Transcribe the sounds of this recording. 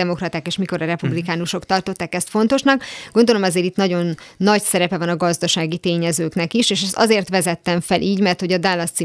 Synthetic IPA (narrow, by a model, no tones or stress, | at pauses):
ɛmo̞krɒt̪aːkeːʃmiko̞ɾɒɾɛpublikaːnuʃo̞kt̪ɒrt̪o̞t̪ːaːkɛst̪fo̞nt̪o̞ʃnɒkɡo̞nd̪o̞lo̞mɛzeːɾit̪nɒɟo̞nːɒcsɛɾɛpɛvɒnɒɡɒzd̪ɒʃaːɡit̪eːɲɛzøːknɛkiʃeːʃɛst̪ɒ̰zeːrt̪ʋɛzɛt̪ːɛɱfɛlʔiːɟmɛrt̪ho̞ɟɒd̪aːlːɒst̪si